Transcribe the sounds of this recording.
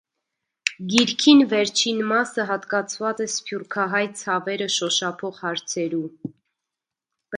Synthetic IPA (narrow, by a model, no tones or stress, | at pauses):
ɡiɾkʰinvɛɾt͡ʃʰinmɑsəɦɑt̪kɑt͡sʰvɑt͡sɛspjuɾkʰɑɦɑjt͡sʰɑvɛɾəʃɔʃɑpʰɔʁhɑɾt͡sʰɛɾu